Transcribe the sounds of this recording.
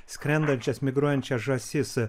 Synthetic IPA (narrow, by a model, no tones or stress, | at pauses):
sʲkʲɾʲɛnd̪ɐnʲt͡ʃʲɛsmʲɪɡɾuɔjɛnʲt͡ʃʲɛsʒɐsʲɪs